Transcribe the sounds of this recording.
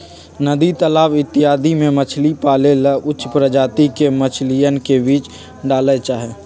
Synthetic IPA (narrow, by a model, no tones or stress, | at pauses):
nəd̪it̪əlaːʋɪt̪ːɪɦaːd̪imẽmət͡ʃʰlipaːleləʔʊtːʃpɾəd͡ʒaːt̪ikemət͡ʃʰlijənkebiːt͡ʃ | ɖaːlet͡ʃaːɦɛː